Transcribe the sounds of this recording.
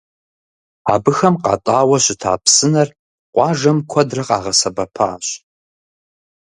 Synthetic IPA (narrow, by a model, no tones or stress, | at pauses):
a̰ːbɨxɐmqɑ̰ːtʼaːwɐɕɪtʰa̰ːpsɨnɐr | qʷɑːʐɐmkʷʰɔdrɐqɑ̰ːʁɐsɐbɐpʰaːɕ